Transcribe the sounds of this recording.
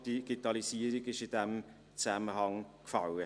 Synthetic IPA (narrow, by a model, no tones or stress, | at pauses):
d̥iɡ̥itɑlisiːəɾiɡɪʃɪd̥ɛm | t͡sæməɦɑŋkfɑwə